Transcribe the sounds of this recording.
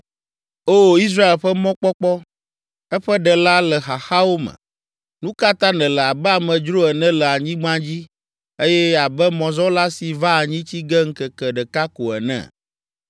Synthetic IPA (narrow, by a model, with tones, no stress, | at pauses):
o˦i˦s̬ɾa˦e˨lɸɛ˦mɔ̃˦k͡pɔ˦k͡pɔ˦ | ɛ˦ɸɛ˦ɖɛ˨la˦lɛ˨xa˨xa˦wo˦mɛ̰̃˨ | nũ˦ka˦t̪ã˦nɛ̃˨lɛ˨a˨bɛ˦a˨mɛ̃˨d͡ʒɾo˦ɛ˨nɛ̃˦lɛ˨a˨ɲĩ˦ɡ͡bã˦d͡ʑi˦ | e˦jɛ˦a˨bɛ˦mɔ̃˨zɔ˦la˦si˨va˦a˨ɲĩ˦t͡ɕi˦ɡɛ˦ŋ̩˦kɛ˨kɛ˨ɖɛ˨ka˦ko˨ɛ̰˨nɛ̰̃˦˨